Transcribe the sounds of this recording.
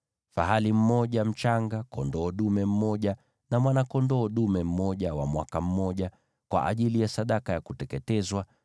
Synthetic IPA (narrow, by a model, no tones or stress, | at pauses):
fa̰ɦalim̩mɔʄam̩t͡ʃaŋɡakɔndɔːɗumɛm̩mɔʄa | namwanakɔndɔːɗumɛm̩mɔʄawa̰mwakam̩ːɔʄa | kwa̰ʔaʄilijasaɗakajakutɛkɛtɛzwa